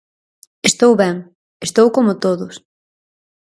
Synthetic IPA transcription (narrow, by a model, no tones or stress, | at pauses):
est̪owβɛŋ | est̪owkomʊt̪oðʊs